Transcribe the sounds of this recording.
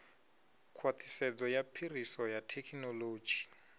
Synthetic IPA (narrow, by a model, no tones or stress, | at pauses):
kʰwat̪ʰi̥sɛd͡zɔjapʰirisɔjatʰɛkʰnɔloːd͡ʒi